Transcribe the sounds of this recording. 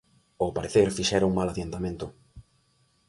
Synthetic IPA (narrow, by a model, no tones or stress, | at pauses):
opaɾeθeɾfiʃɛɾauŋmalaðjant̪amẽnt̪ʊ